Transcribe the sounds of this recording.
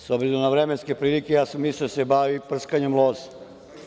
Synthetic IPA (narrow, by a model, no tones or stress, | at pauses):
sobzilonaʋɾemenskepɾiːlikejaːsamisisebaʋipr̩skaɲemlˠoːz